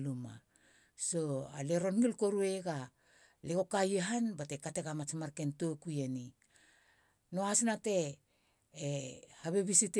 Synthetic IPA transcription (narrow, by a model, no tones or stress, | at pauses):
luma̰ | so̞a̰le̞ɾo̞nɡilko̞ɾue̞ɡa | leko̞kajeɦanbate̞kate̞ɡamat͡ʃmaɾke̞ntokujeni | noasnate̞ː | haβe̞βisit